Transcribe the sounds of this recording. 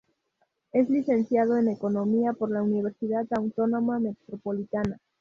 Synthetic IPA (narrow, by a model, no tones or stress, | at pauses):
e̞zliθe̞nθjað̞oene̞ko̞no̞miapo̞ɾlauniβ̞e̞ɾsiðat̪awt̪o̞no̞mame̞t̪ɾopo̞lit̪ana